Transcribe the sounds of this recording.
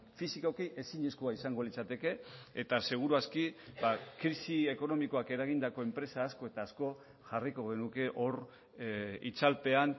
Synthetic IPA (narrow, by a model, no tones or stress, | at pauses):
fisikakeʔe̞siɲeskuaisaŋɡo̞lit͡sat̪e̞ke̞et̪ase̞ɣ̞uɾuaskibakɾisie̞ko̞no̞miko̞ake̞ɾaɣ̞ind̪ako̞e̞mpɾe̞saːsko̞e̞t̪aːsko̞ | ʝariko̞ɣe̞nuke̞ʔo̞ɾ | it͡salpe̞an